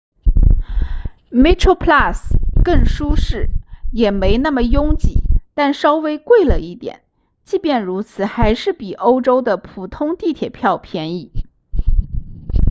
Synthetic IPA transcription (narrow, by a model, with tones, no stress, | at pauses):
me˥ʈ͡ʂʰo˥pʰla˥˩skə˥˩ŋʂu˥ʂɻ̩˥˩jɛ˨˩me˧˥ɪna˥˩mə˩jʊ˥ŋt͡ɕḭ˨˩˦t̪a˥˩nʂɑ˥ʊwe˥ɪkwe˥˩ɪlə˩i˥˩t̪jɛ̰˨˩˦n | t͡ɕi˥˧pjɛ˥˩nɻu˧˥t͡sʰɹ̩˨˩xa˧˥ɪʂɻ̩˥˩pi˨˩ʔo˥ʊʈ͡ʂo˥ʊd̪ə˨pʰu˨˩t̪ʰʊ˥ŋt̪i˥˩t̪ʰjɛ˨˩pʰjɑ˥˧ʊpʰjɛ˧˥ni˨˥˩